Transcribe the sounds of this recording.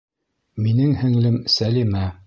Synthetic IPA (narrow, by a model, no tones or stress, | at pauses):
minɘŋhɘ̆ŋlɘmsælimæ